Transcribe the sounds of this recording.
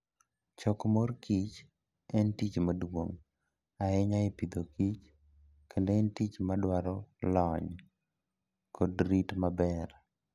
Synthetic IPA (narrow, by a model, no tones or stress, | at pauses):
t͡ʃɔkmorkit͡ʃ | ɛntit͡ʃmadwoŋ | aɛɲaɪpid̪okit͡ʃ | kʰendeɛntit͡ʃmadwaɾɔlɔɲ | kʰodɾitmabɛr